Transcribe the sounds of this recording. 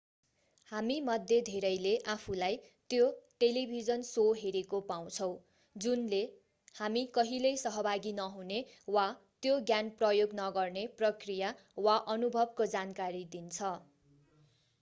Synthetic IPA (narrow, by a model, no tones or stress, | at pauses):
hamimʌd̪ʱjed̪ʱeɾʌjleʔapʰulaj | t̪joʈelibʱid͡zʌnsoɦeɾekopaw̃t͡sʰʌw̃ | d͡zunle | hamikʌɦilʌjsʌɦʌbʱaɡinʌɦunewa | t̪joɡjanprʌjoɡnʌɡʌrneprʌkrija | waʔʌnubʱʌb̚kod͡zankaɾid̪int͡sʰʌ